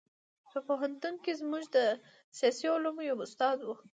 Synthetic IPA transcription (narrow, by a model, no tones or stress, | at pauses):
pəpoɦant̪unkezmuʒd̪ə | sjɑsiʊlumojawʊst̪ɑd̪wu